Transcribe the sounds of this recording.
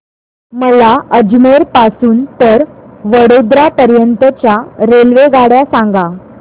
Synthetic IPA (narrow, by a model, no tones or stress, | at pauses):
məlaəd͡ʑmeɾpasuːnt̪əɾʋəɽod̪ɾapəɾjənt̪ət͡ɕjaɾelʋeɡaɽjasãŋɡa